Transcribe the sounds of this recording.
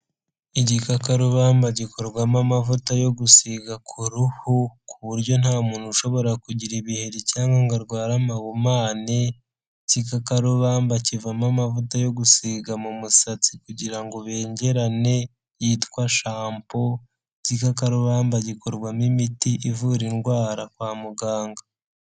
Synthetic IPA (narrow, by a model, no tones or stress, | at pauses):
icikakaɾuβaːmbaɟiko̞ɾɡwamamavutajo̞ɡusiɡakʰuɾuhukuβuɾɟo̞n̥haːmuːn̥huʃo̞βo̞ɾakuɟiɾiβiheɾicaːŋɡaŋɡaɾɡwaːɾamaɡumaːni | cikakaɾuβaːmbacivamamavutajo̞ɡusiɡamumusat͡sikuɟiɾaŋɡo̞βe̞ːɲɟe̞ɾane̞ | jiːtkwaʃaːmpo̞ | cikakaɾuβaːmbaɟiko̞ɾɡwamimitiʔivuɾinɡwaːɾakwaːmuɡaːŋɡa